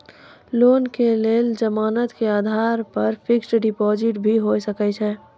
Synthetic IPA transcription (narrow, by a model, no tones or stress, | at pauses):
loːnkeleːld͡ʒəmaːnət̪keaːd̪ʱaːɾpɐɾpʰɪksɖɪpɔːzd͡ʒɪʈbʱiɦosəkɛt͡ʃʰɛ